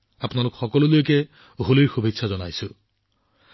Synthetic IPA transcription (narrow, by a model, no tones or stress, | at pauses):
apnalʊkxɔkɔlʊlojekɛ | ɦoliɹxubʱitsʰazɔna̰jsʊ̃